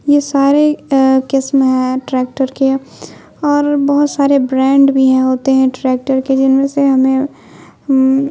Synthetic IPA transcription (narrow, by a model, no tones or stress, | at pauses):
jesaːɾekɪsmɦɛ̃ʈɾɛːk̚ʈəɾke | ɔːɾbɐɦʊt̪saːɾebɾɛ̃ːɳɖbʱiɦɛ̃ɦoːt̪eɦɛ̃ʈɾɛːk̚ʈəɾked͡ʒɪnmẽseɦɐmẽ